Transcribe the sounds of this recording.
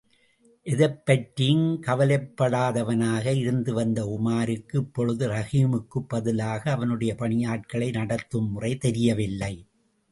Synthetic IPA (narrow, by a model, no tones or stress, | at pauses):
ʔɪðɐɪpːɐʈɾijɯnkɐʋɐlɐɪpːɐɽaːðɐʋɐnaːɣɐɪɾɯnd̪ɯʋɐnd̪ɐʊmaːɾɯkːɯpːɔɻɯðɯɾɐɣiːmɯkːɯpːɐðɪlaːɣɐːʋɐnɯɽɐjɐpɐɳɪjaːʈ̚kɐɭɐɪnɐɽɐt̪ːɯmːʊrɐɪt̪ɛɾɪjɐʋɪlːɐɪ